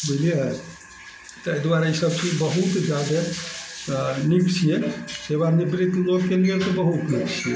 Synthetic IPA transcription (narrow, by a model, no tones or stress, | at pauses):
belie | t̪əjd̪waɾisəbt͡ʃʰibəɦut̪d͡ʒad̪ʱə | niksʰijesebanibɾit̪loɡkeliet̪obəɦut̪niksʰije